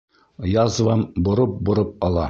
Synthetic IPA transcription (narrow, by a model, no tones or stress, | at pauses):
jɑzvɑmbŏɾɤp̚bŏɾɤp̚ɑlˠɑ